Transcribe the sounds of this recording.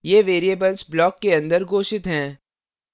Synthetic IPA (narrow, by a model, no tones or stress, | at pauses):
jeːʋeːɾiebəlzblɔːkːeɐ̃nd̪əɾɡoːʃɪt̪ɦɛ̃ː